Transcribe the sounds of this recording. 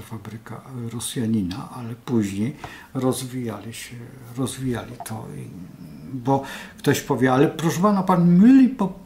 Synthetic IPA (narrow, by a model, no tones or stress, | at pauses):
fabɾɘka̰ɾɔsjaɲinaʔalɛpuʑɲej | ɾɔzvʲijalʲiɕɛ | ɾɔzvʲijalʲit̪ʰɔ̰i | bɔkt̪ɔɕpɔvʲjɛalɛpɾɔʂɛpanapanmɘlʲpɔ